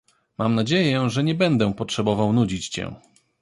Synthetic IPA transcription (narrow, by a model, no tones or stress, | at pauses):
mamnad͡ʑejɛʐɛɲɛbɛnd̪ɛpɔtʂɛbɔvawnud͡ʑit͡ɕt͡ɕɛ̰̃